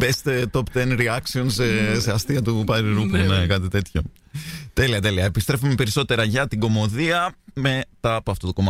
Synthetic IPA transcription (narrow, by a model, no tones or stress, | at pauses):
best̪e̞t̪o̞pt̪enɾiɐksio̞nseseɐst̪iɐt̪upɐɾiɾupunekɐt̪it̪e̞t̪ço̞ | t̪e̞liɐt̪e̞liɐepist̪ɾefume̞pe̞ɾiso̞t̪e̞ɾɐʝɐt̪iɡo̞mo̞ðiɐme̞t̪ɐpuɐft̪ot̪okomɐ